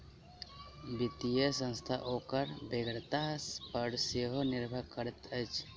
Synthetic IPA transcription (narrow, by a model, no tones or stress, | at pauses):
bit̪ijəsə̃nst̪ʰaʔokəɾbeɡɾt̪aspəɾseɦonɪɾbʱəɾkəɾət̪ət͡ʃ